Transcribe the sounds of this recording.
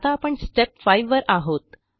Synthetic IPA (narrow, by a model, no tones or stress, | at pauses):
t̪aːpəɳsʈepfajʋːəɾaɦot̪